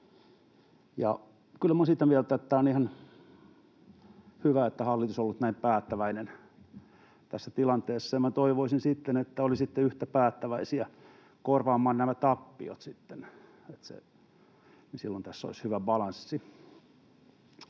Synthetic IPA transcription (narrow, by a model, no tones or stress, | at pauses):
jɑ̰ | kylːmosit̪ːæʋielt̪æt̪ːæːonihɑn | hyʋæet̪ːæhɑlːit̪usolːut̪næimpæːt̪ːæʋæinen | t̪æsːæt̪ilɑnt̪eːsːɑjɑmæt̪oiʋoisinsit̪ːenet̪ːæolisit̪ːeyht̪æpæːt̪ːæʋæisiæ | korʋɑːmːɑːnnæmæt̪ɑpːḭo̰t̪sit̪ːen | et̪sḛ | nisilːont̪æsːo̰ishyʋæbɑlɑnsːi